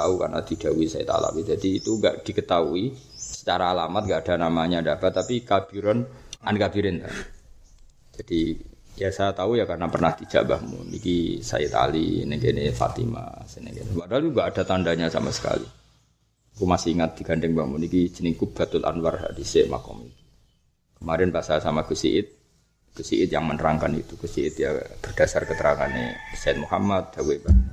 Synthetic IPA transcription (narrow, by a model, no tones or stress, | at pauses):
auka̰rna̰d̥id̥auisaḭt̪a̰la̰wid͡ʒadiːt̪uŋɡa̰ʔd̥ikət̪aui | sə̥t͡ʃaɾaːlamat̪̚ŋɡaʔad̥anamaɲadapat̪ːapikab̥iɾɔnankabiɾɪnt̪a̰ | d͡ʒ̥ad̥i | jasajat̪aujakarnapərnaht̪id͡ʒ̥a̰ʔbahmʊ̰nḭkisa̰it̪a̰lḭneŋkenɪfa̰t̪ḭma̰senḛŋɡenwad̪aluŋɡaʔːdat̪andaɲasa̰masə̥ka̰lḭ | kumasiiŋat̪̚d̥iɡ̥andɪŋbahmunikit͡ʃəniŋkʊp̚b̥at̪ʊt̪a̰nwarɦa̰diseʔma̰kɔ̰mit̪u̥ | kəmaɾɪnpasasamaɡusḭʔɪt̪̚ | ɡ̥usiʔɪt̪jaŋmənəɾaŋkanit̪ukəsiɪt̪ja̰b̥ərd̥asarkət̪əɾaŋanːḛsaɪt̪̚muhamat̪̚d͡ʒaweba